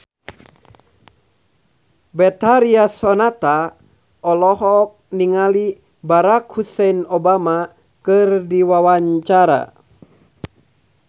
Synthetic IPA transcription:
bɛt̪aɾiasɔnat̪a | ɔlɔɦɔk̚niŋali | baɾakhusɛnɔbama | kɨrdiwawaɲt͡ʃaɾa̰

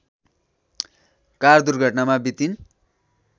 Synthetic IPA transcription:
kard̪urɡʱʌʈnamabit̪in

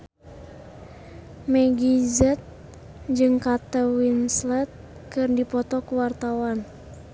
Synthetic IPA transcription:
mɛɡizɛt̪̚ | d͡ʒɨŋkat̪əwinslɛt̪̚ | kɨrdipɔt̪ɔkuwart̪awan

